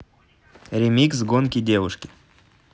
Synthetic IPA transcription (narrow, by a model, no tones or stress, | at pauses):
ɾʲɪmʲiksɡonkʲidʲevʊʂkʲɪ